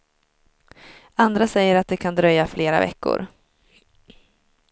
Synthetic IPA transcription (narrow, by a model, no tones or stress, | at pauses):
and̪ɾasɛjːəɾat̪̚d̪ɛkʰand̪ɾœjːafleːɾa̰vɛ̰kːʊ̰ɾ